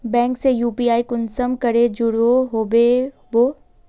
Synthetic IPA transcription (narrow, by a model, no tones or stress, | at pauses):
bɛ̃ːŋksejuːpiːaːikʊnsəmkɐɾed͡ʑʊɽoɦoːbe | boː